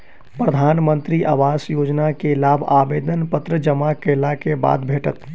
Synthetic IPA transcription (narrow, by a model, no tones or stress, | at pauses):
pɾəd̪ʱaːnmə̃nt̪ɾiʔa̰ʋaːsjoːd͡ʒnakelaːbʱaːbeːd̪ʱənpət̪ɾəd͡ʒəmakelakeba̰ːd̪bʱeːʈət̪